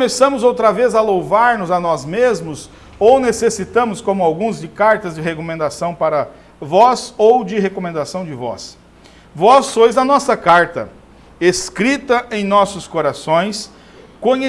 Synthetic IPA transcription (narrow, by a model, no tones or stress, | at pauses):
mesɐ̃mʊzowt̪ɾɐvezɐlowvaɾnʊzɐnɔzmezmʊz | ownesesit̪ɐ̃mʊskõmʊawɡũzd͡ʒɪkaɾt̪ɐzd͡ʒɪɦekomẽnd̪asɐ̃w̃paɾɐ | vɔzowd͡ʒɪɦekomẽnd̪asɐ̃w̃d͡ʒɪvɔ̰s | vɔsːojzɐnɔsɐkaɾt̪ɐ | eskɾit̪ɐʔẽj̃nɔsʊskoɾasõj̃s | kõɲe